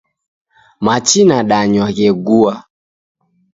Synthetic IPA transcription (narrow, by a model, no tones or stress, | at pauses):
mat͡ʃinaɗaɲwaɣɛɡua